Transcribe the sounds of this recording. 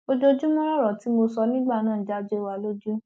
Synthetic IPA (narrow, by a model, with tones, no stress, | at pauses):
o˧d͡ʒo˧d͡ʒu˦mɔ̃˦ɾɔ˦ɾɔ˨ti˨˦mo˧sɔ˧nĩ˦ɡ͡ba˦˨nãː˦˨d͡ʒa˦d͡ʒo˦i˦˨wa˧lo˦d͡ʒu˦